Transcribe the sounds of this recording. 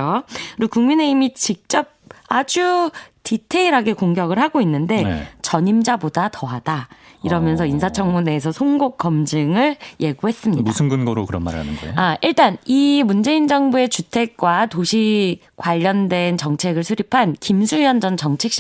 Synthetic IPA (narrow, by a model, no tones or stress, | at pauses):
oɯɾokuŋmine̞imit͡ɕik̚t͡ɕ͈ʌp̚ad͡ʑutʰitʰe̞iɾaɡe̞koŋɡjʌɡɯɭhaɡoinːɯnde̞n̰t͡ɕʌɲimd͡ʑabodatʌɦad̥aiɾʌmjʌnsʰʌinsʰat͡ɕʰʌŋmune̞ːsʰʌsʰoŋɡok̚k͈ʌmd͡ʑɯŋɯɭje̞ɡuɦe̞s͈ɯmɲidusʰɯnɡɯnɡʌɾokɯɾʌnma̰ɾha̰nɯ̰nɡʌ̰oaiɭt͈animund͡ʑe̞ind͡ʑʌŋbue̞t͡ɕutʰe̞k̚k͈watoɕʰi | kwaʎːʌndwe̞nt͡ɕʌŋt͡ɕʰe̞ɡɯɭsʰuɾipʰankimsʰujʌnd͡ʑʌnt͡ɕʌŋt͡ɕʰe̞k̚ɕ͈